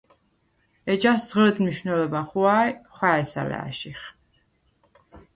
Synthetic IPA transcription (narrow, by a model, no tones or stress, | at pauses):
ɛd͡ʒasd̪z̥ʁɾɛd̪mniʃvnɛlɔbaχuajχwaɛsa̰lɛ̰a̰ʃiχ